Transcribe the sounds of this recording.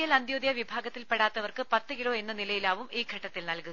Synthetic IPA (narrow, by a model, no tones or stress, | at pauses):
jɐlɐnd̪joːd̪jɐʋibʱaːɡɐt̪ːilpeɽaːt̪ːɐʋɐrkɨpɐt̪ːɨkiɭo̞ːe̞nːɐnilɐjilaːʋumiːɡʱɐʈːɐt̪ːilnɐlku